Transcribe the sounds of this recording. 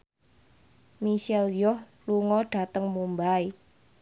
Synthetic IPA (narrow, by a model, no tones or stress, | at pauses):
misɛljɔh | luŋɔɖ̥a̤t̪əŋmumbaj